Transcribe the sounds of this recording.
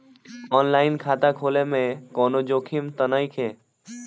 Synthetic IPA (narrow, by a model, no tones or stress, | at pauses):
ɔːnlaːɪnkʰaːt̪akʰoːlemẽkɔːnod͡ʒoːkʰimt̪ənaikʰeː